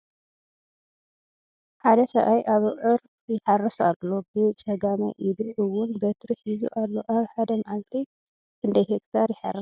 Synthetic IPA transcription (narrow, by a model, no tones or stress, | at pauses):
ħad̪ɐsɐ̰ʔajʔaβʕɨɾ | jɪħarːɐsalobɨt͡sʼɐɡamɐ̰ʔɪd̪ʕuwʊnbɐt̪ʰɾɨħizṵʔalːo̞ʔaβħad̪ɐmaʔalt̪ʰi | kʰɨnd̪ɐjhekt̪ʰaɾjɪħa̰rːɐs